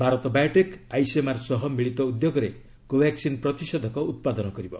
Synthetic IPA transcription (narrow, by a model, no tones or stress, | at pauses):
bʱaɾɔt̪ɔbajʈekajsemaɾsɔɦɔmiɭit̪ɔud̪joɡɔɾe | kobaksinpɾɔt̪isɔd̪ʱɔkɔut̪̚pad̪ɔnɔkɔɾibɔ̰